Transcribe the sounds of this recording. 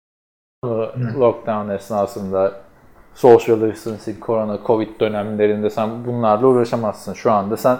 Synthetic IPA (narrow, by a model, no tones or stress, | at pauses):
nˠulˠok̚d̪avnɛsnasˠɯnd̪a | sosjalˠɯsɯnsinkʰo̞ɾonakʰo̞vit̪̚d̪ø̞næmlʲe̞ɾind̪ɛsænbunlˠaɾlˠauːɾaʃamaz̥sɯnʃuand̪asæn